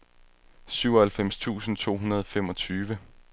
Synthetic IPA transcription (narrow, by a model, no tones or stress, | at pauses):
syʊɒhælfem̰st͡sʰṵːsn̩t͡sʰo̝̰ːɦunɐð̞ˠɒfemɒ̽t͡sʰyːʋə